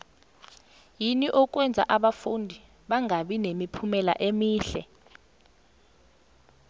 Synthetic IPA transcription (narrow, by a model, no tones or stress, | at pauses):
jiniʔɔk̬ʼwɛnd͡zʱa̰ʔaɓafundʱi | ɓaŋaɓinemipʰumɛla̰ʔemiːɬɛ